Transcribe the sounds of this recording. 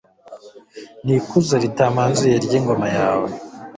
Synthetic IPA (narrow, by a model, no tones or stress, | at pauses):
nikuzaɾitaːmaːnzujeɾɟiːŋɡo̞majaːwe